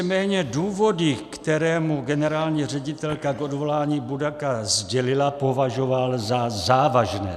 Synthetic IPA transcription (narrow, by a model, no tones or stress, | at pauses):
mɛːɲɛduːvo̞dɪkt̪ɛɾɛːmuɡɛnɛɾaːlɲiːr̝ɛɟɪt̪ɛlkakʔo̞dvo̞laːɲiːbudakazɟɛlɪlapo̞vaʒovalzazaːvaʒnɛ̰ː